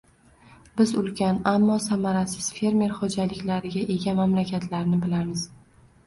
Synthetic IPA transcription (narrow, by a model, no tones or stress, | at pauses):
bɪzʊlkʲʰanamːɒsamaɾasɪz̥fe̞ɾme̞ɾχod͡ʒalɪkʲlaɾɪɡʲaʔe̞ɡʲamamlakʲʰat̪ʰlaɾnɪbɪlamɪz̥